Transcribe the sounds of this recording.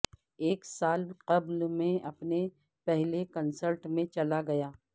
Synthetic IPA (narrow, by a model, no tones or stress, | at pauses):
eːksaːlqɐblmẽɐpne | pɛɦlekɐnsəlʈmẽt͡ʃɐlaɡɐjaː